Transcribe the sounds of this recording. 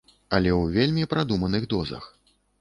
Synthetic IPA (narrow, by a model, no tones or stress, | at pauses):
ɐlʲɛwvʲelʲmʲipɾad̪umɐnɨɣd̪ɔzɐ̰x